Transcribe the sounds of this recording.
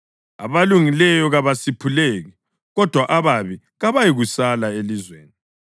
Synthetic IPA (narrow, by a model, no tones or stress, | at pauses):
a̰βaluŋilɛjɔɣaβasipʰuleɣɛ | ɣɔd̥ʱwaʔaβaβi | ɣaβajiɣusalaelizwḛːni